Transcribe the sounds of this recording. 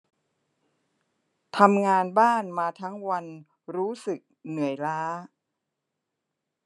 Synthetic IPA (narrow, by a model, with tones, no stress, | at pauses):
t̪ʰa˧mŋaː˧nbaː˥˩nmaː˧t̪ʰa˦˥ŋwa˧n | ɾuː˦˥sɯ˨˩k̚nɯ˨˩˦əjɾaː˦˥